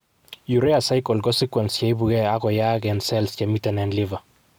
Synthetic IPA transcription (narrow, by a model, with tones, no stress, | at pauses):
ju˨ɾɛ˦a˨sa˦jkɔ˨lɡɔ˦si˦kwɛ˨nst͡ʃɛ˦i˦bu˨ɡɛ˦a˦ɡɔ˨ja˦ɡɛ˨nsɛlst͡ʃɛmi˦tɛ˨nɛ˨nliva˨